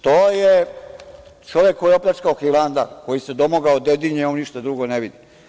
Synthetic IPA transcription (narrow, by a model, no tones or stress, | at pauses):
t̪oːje | t͡ʃoʋjekːo̞jeɛopʎʲat͡ʃkaoxiland̪ako̞jised̪omoɡaod̪ed̪iɲeoniʃt̪ad̪ɾuɡoneʋid̪i